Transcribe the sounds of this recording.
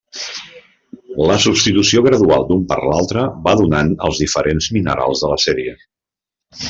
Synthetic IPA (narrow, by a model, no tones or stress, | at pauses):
ləsupst̪it̪usioɣɾəðua̰lˠd̪umpə̰ɾlalˠt̪ɾəbaðunanə̰lˠzðifəɾʔenzminə̰ɾa̰lˠzðələsɛɾiə